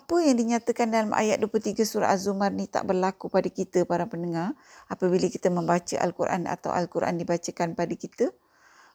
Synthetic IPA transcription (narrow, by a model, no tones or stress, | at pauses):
ʔapəjaŋdiɲat̪əkandalamʔa̰jat̪̚duwəplult̪iɡəsuɾa̰ʔazumãrnit̪a̰ʔbərlakupadəkit̪əpaɾapənəŋãrʔapəbiləki̥t̪əmə̃mbat͡ʃəʔa̰lkuɾʔa̰na̰t̪a̰wʔa̰lkuɾʔa̰ndibat͡ʃəkanpadəkit̪ə